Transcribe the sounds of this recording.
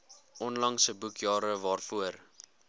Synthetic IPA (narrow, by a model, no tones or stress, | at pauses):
ʔɔnlɐŋsəbukjɑːɾəvɑːrfuər